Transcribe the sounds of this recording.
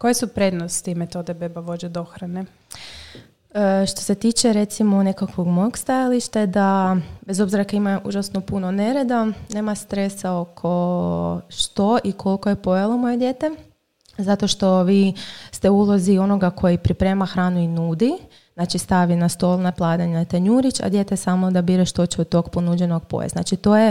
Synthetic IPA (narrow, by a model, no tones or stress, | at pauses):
ko̞jesupɾe̞d̪nost̪imet̪o̞d̪ebebaʋo̞d͡ʑed̪oxɾane | ʃt̪o̞set̪iːt͡ʃe̞ɾe̞t̪simone̞kakʋo̞ɡmojoɡst̪ajaliʃt̪ad̪abe̞zo̞bziɾakaimaʔṵʒasnopunone̞ɾed̪ane̞ːmast̪ɾe̞sao̞kʰo̞ | ʃt̪o̞ʔikʰo̞lkoje̞po̞jalˠomo̞je̞d̪je̞t̪e | zat̪oʃt̪o̞ʋiːst̪e̞ulˠozio̞no̞ɡakʰo̞jipɾipɾe̞maxɾaːnuinuːd̪i | znat͡ʃist̪aʋinast̪o̞lˠnaplˠad̪aɲnat̪eɲuːɾit͡ʃa̰d̪je̞t̪esamod̪abiːɾeʃt̪o̞t͡ʃeod̪t̪o̞ɡponud͡ʑeno̞ɡpo̰jḛzna̰t͡ʃit̪o̞ːje